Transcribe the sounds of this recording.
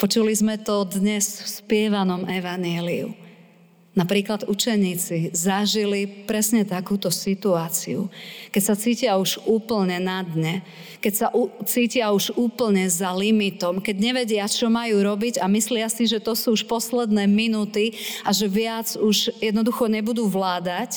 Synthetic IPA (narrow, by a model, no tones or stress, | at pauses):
pɔt͡ʃulizmɛt̪ɔd̪ɲɛsfspɪɛʋanɔmɛʋaɲjɛliṵ | napɾiːklad̪ut͡ʃɛɲiːt͡sizaʒilipɾɛsɲɛt̪akuːt̪ɔsit̪uaːt͡sḭṵkɛcsat͡siːcɪauʒuːpl̩ɲɛnad̪ɲɛ | kɛcsaʔut͡siːcɪauʒuːpl̩ɲɛzalimit̪ɔmkɛɟɲɛʋɛɟɪat͡ʃɔmajuːɾɔbiɟamislɪasiʒɛt̪ɔsuːʃpɔslɛd̪nɛːminuːt̪iaʒɛʋɪad͡zuʒjɛd̪nɔd̪uxɔɲɛbud̪uːʋlaːd̪ac